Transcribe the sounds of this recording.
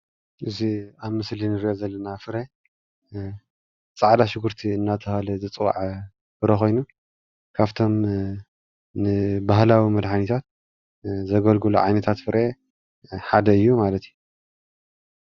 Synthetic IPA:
ʔɨziaβmɨslinɨɾiʔozɐlːɐnafɨɾe | t͡sʼaʕd̪aʃɪɡɨɾt̪ʰiɨnːat̪ʰɐhalɨzɨt͡sʼwa̰ʕ | fɨɾexo̞jnu | kʰaβt̪ʰo̞m | nɨbaɦlawimɐd̪ħanit̪ʰat̪̚ | zɐɡɐlɡulṵʕa̰jnɐt̪ʰat̪fɨɾʔe | ħad̪ɐɨjːumalɐt̪ju

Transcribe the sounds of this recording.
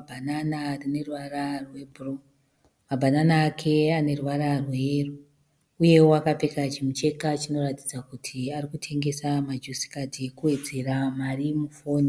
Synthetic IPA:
bʱananarine̞ruʋararwe̞bʱuro | mabʱananaːkʰe̞ane̞ruʋaɾarwe̞ru | uje̞wwakapekat͡ʃimut͡ʃe̞kat͡ʃino̞rati̥d͡zakutʰiarikutʰe̞ŋɡe̞samad͡ʒusi̥kadekuwe̞d͡ze̞ramarimufoːni

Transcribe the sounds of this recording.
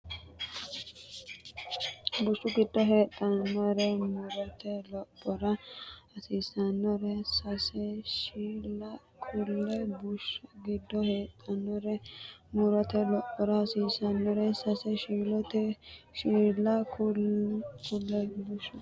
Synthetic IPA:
bʊʃːʊɡɪd̪ːɔɦeːt̪ʼːɐnːɔɾɛmʊɾɐt̪ʰɛlɔpʼːɔɾɐɐsiːsɐnːɔɾɛsɐsɛʃiːlɐ | kʰʊlːɛbʊʃʊɡɪd̪ːɔheːt̪ʼɐnːɔɾɛmʊɾɐt̪ɛlɔpʼːɔɾɐhɐsiːsɐnːɔɾɛsɐsɛʃiːlɔt̪ɛʃiːlɐkʰʊ | kʰʊlːɛbʊʃʊ

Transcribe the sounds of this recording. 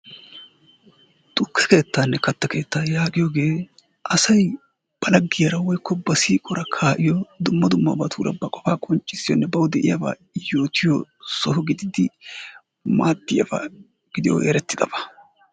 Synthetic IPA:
t̪ʼʊkʰːɛ̥ke̞ːt̪ːaːnːɛkɐt̪ːɐkʰe̞ːt̪ːaːjaːɡɪjoːɡe̞ː | ʔɐsɐj | b̥ɐlɐɡːɪjɐɾɐwɔjkːɔbɐsiːkʼɔɾɐkʰaːʔɪjɔd̪ʊmːɐd̪ʊmːɐ̰bɐt̪ʰuːɾɐ̰bɐkʼɔfaːkʼɔnt͡ʃʼːɪsːɪjɔnːɛbɐwd̪ɛʔɪjɐba̰ː | jo̞ːt̪ʰɪjɔsɔhʊɡɪd̪ɪd̪ɪ | maːd̪ːɪjɐ̰ba̰ | ɡ̥ɪd̪ɪjɔ̰ʔḛːɾɛt̪ːɪd̪ɐbɐ̥

